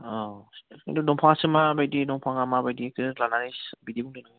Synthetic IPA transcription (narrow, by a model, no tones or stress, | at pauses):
ɔḭdudɔŋpʰaŋsɯmabajdidɔŋpʰaŋamabajdikʰɯlanaɾisbidibuŋdɯnɯɡ